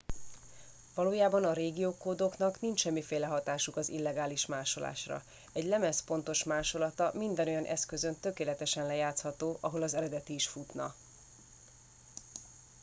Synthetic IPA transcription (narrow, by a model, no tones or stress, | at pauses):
vɒloːjaːbɒnɒɾeːɡijoːkoːd̪o̞knɒknint͡ʃʃɛmːifeːlɛɦɒt̪aːʃukɒzilːɛɡaːliʃmaːʃo̞la̰ːʃrɒ̰ | ɛɟlɛmɛspo̞n̪t̪o̞ʃmaːʃo̞lɒt̪ɒmind̪ɛno̞jɒnʔɛ̰skø̞zønt̪ø̞keːlɛt̪ɛʃɛnlɛjaːt̪shɒt̪oːʔɒɦo̞lɒzɛɾɛd̪ɛt̪iːʃfut̪nɒ̰